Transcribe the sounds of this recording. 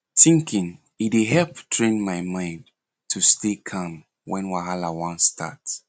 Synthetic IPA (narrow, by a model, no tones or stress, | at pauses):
θĩŋkʰĩŋ | itiɦɛlptʰɹẽnmaɪmãɪ̃n | tʰustekʰãm | wɛ̃nwaɦalawãnstʰa̰t